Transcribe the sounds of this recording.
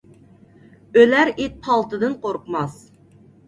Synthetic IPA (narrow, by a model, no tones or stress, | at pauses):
ølæɾet̪̚pʰɑlˠt̪ɨd̪ɨnqʰoɾqmɑs